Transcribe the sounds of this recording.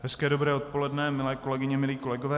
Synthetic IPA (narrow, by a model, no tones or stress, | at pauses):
ɦɛskɛːdobɾɛːot̪̚po̞lɛdnɛmɪlɛːko̞lɛɡɪɲɛmɪliːko̞lɛɡovɛː